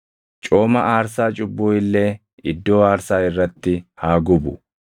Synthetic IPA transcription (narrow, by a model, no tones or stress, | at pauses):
t͡ʃʼo̞ːmɐʔaːɾsaːt͡ʃʼʊbːoːɪlːe̞ː | ɪd̪ːo̞ːaːɾsaːɪrːɐt̪ːɪhaːɡʊbʊ̰